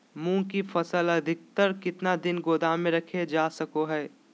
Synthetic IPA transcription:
mũːkifɐsəlɐd̪ʱɪk̚t̪əɾkɪt̪nad̪ɪnɡoːd̪ʱaːmẽɾɐkʰed͡ʒaːsɐkoɦɛː

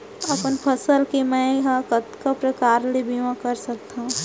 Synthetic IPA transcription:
ɐpənpʰəsəlkemɛ̃ɦakət̪kapɾəkaːɾlebʱiʋãkɐɾsɐk̚t̪aũ

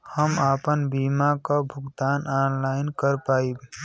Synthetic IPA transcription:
həmaːpənbiːmakabʱʊɡt̪aːnaːnlaːɪnkəɾpaːib

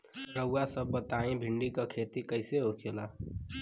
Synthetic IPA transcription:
ɾəʊwasəbːət̪aːĩbʱɪ̃ɳɖikakʰeːt̪ikəɪseɦokʰeːlaː

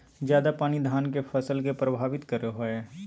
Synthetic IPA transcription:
zjaːd̪apaːñid̪ʱaːnkefʰɐsəlkepɾəbʱaːʋɪt̪kəɾeɦoeː

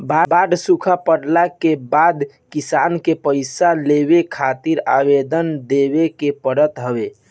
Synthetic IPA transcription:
babaɖsukʰapəɽlakebad̪ | kisankepəɪsaleβekʰat̪iɾa̰bed̪ənd̪ebekepəɽət̪ɦəbe

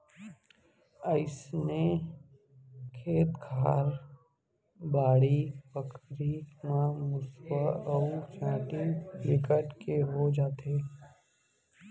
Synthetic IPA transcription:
əɪsne | kʰeːt̪ɡʰʱaːɾ | baːɽipəkɾimãmʊswaɔwt͡ʃãːʈiɾɪkəʈkeɦod͡ʒaːt̪eː

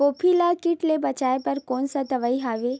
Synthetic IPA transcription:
oːpʰilakɪʈlebɐt͡ʃaːepɐɾkɔːnsad̪ɐʋaːiɦaːʋeː

